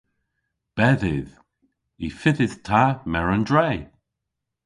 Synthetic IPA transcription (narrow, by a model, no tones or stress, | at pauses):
b̥ɛðɪð | ifɪðɪð̥tʰamɛɹəndɹej